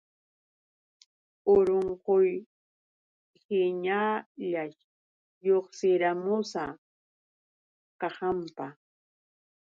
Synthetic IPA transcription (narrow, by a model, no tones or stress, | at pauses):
oɾoɴqoj | hɪɲaʎaʃ | joχsɪɾamʊsa | kɑhampa